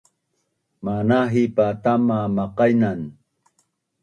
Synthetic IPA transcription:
manaɦipat̪amamɑqɑjnan

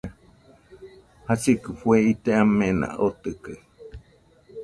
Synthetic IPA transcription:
hasikɨfweit̪eamẽnã̰ot̪ɨkɨ

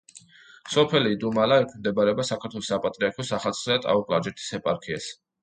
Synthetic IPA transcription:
sɔpʰɛliːd̪umalaɛkʰimd̪ɛbaɾɛbasakʰaɾt̪ʰwɛlˠɔsapʼat̪ʼɾiaɾkʰɔsaχat̪sʰʼχɛd̪at̪ʼa̰ɔkʼlaɾd͡ʒɛɾt̪ʰi̥sɛpʼaɾkʰias

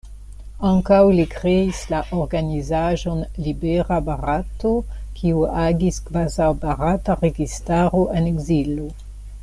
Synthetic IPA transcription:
aŋkawlikɾeislaʔoɾɡanizaʒo̞nlibeɾabaʁatokʰiuaɡiskvazawbaɾataʁeɡistaɾoʔeneɡzilo

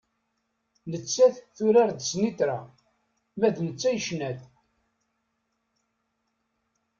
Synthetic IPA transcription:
nət͡sːæθθʊɾaɾd̪snit̪ɾa̰ | mæðnət͡sːæjəʃnæt̪

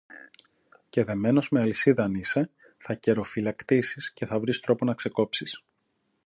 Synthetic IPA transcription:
ce̞ðe̞me̞no̞zme̞ɐlisiðɐnise̞ | θɐce̞ɾo̞filɐkt̪isisce̞θɐvɾist̪ɾo̞po̞nɐkse̞ko̞psis

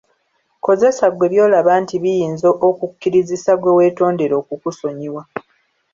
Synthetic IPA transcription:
ko̞ze̞saɡwe̞βjo̞ːlaβaːntiβijiːnzoʔokukːiɾizisaɡwe̞we̞ːto̞ːnde̞ɾo̞ːkukuso̞ɲiwa

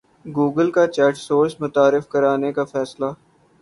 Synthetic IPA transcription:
ɡuːɡəlkat͡ʃɛːʈsoːɾsmʊt̪aːɾɪfkɐɾaːnekafɛːsla

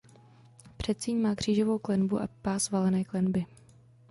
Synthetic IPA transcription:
pr̝̥ɛt̪̚t͡siːɲmaːkr̝̥iːʒovo̞wklɛnbuʔa̰paːzvalɛnɛːklɛnbɪ

